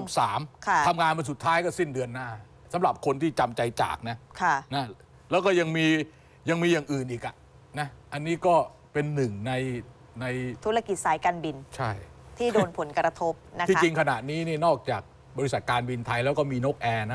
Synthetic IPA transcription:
o˨˦p̚saː˩˦mkʰa˦˩a˧mŋaː˧npa˧nsu˨˩t̪ʰːaː˦˥jkɔː˥˩si˥˩ndɯ˧ənːaː˥˩ | sa˩˦mɾa˨˩p̚kʰo˧nt̪ʰiː˥˩t͡ɕa˧mt͡ɕa˧jt͡ɕa̰ː˨˩k̚na˦˥kʰa˥˩na˦˥ | lɛː˦˥wkɔː˥˩ja˧ŋmiː˧ | ja˧ŋmiː˧jaː˨˩ŋʔɯː˨˩nʔiː˨˩k̚ʔa˨˩ʔ | na˦˥ʔa˧nːiː˦˥kɔː˥˩ | pe˧nːɯ˨˩ŋna˧j | na˧jt̪ʰu˦˥ɾa˧ki˨˩t̪̚saː˩˦jkaː˧nbi˧nt͡ɕʰa˥˩jt̪ʰiː˥˩doː˧npʰo˩˦nkɾa˧t̪ʰo˦˥p̚na˦˥k̪ʰːi˧ŋkʰa˧na˨˩ʔniː˦˥ni˥˩ɐnɔː˥˩k̚t͡ɕaː˨˩k̚ | bɔː˧ɾi˧˥sa˨˩t̪̚kaː˧nbi˧nt̪ʰa˧jlɛ˦˥wkɔː˥˩miː˧no˦˥k̚ʔɛː˧na˦˥

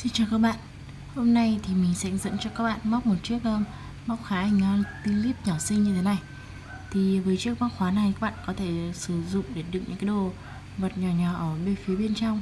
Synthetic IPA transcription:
si˧nt͡ɕaː˨˩wkaː˦˥k̚ɓa̰ː˧˨n | ho˧mna˧jt̪ʰi˨˩mï˨˩ŋ̟sɛ̰˧˥zə̰˧˥nt͡ɕɔ˧kaː˦˥k̚ɓa̰ː˧˨nma˦˥wk͡p̚mo˨˩t̚t͡ɕɨ˦˥ək̚ʔəː˧m | ma˦˥wk͡p̚xaː˨˦i˨˧˩ŋɔ˨˧˦t̪i˧li˦˥p̚ɲɔ˧˩sï˧ŋɲɨ˧t̪ʰe˨˦na˨˩j | t̪ʰi˨˩vəː˨˦jt͡ɕɨ˦˥ək̚ma˦˥k̚xwaː˨˦na˨˩jkaː˦˥k̚ɓa̰ː˧˨nkɔ˨˦t̪ʰe˧˩sɨ˧˩zʊ̰˧˨ŋ͡mɗe˧˩ɗɨ̰˨˩k̚ŋɨ̰˧˥kːa˨˦ɗo˨˩ | və˨˩t̚ɲɔ˨˩ɲɔ˨˩ʔəː˧˩ɓe˧˩fi˨˦ɓe˧nt͡ɕa˧wŋ͡m

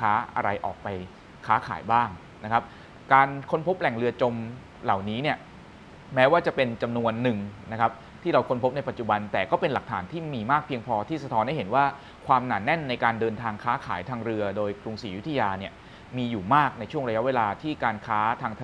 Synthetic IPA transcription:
aː˦˥ʔa̰˧ɾa˧jʔɔ̰ː˨˩k̚pa˧j | kʰaː˦˥kʰa̰ː˩˦jbaː˥˩ŋ | na˦˥kʰa˦˥p̚ | kaː˧nkʰo˧npʰo˦˥p̚lɛ˨˩ŋɾɯ˧ɐt͡ɕo˧m | la˨˩wniː˦˥ni˥˩ɐ | mɛː˦˥waː˥˩t͡ɕa˨˩pe˧nt͡ɕa˧mnu˧ənːɯ˨˩ŋna˦˥kʰa˦˥p̚ | t̪ʰiː˥˩ɾa˧wkʰo˧npʰo˦˥p̚na˧jpa˨˩t̪t͡ɕu˨˩ba˧nt̪ɛː˨˩kɔː˥˩pe˧nla˨˩k̚t̪ʰa̰ː˩˦nt̪ʰiː˥˩miː˧maː˥˩k̚pʰi˧əŋpʰɔː˧t̪ʰiː˥˩sa˧t̪ʰɔ˦˥nha˥˩jɦe˩˦nwaː˥˩ | kʰwaː˧mnaː˨˩nːɛ˥˩nːa˧jkaː˧ndɤː˧nt̪ʰaː˧ŋkʰaː˦˥kʰaː˩˦jt̪ʰaː˧ŋɾɯ˧ɐdoː˧jkɾu˧ŋsiː˩˦ju˦˥t̪ʰːa˧jaː˧ni˥˩ə | miː˧juː˨˩maː˥˩k̚na˧jt͡ɕʰu˥˩əŋɾa˧ja˥weː˧laː˧t̪ʰiː˥˩kaː˧nkʰaː˦˥t̪ʰaː˧ŋt̪ʰ

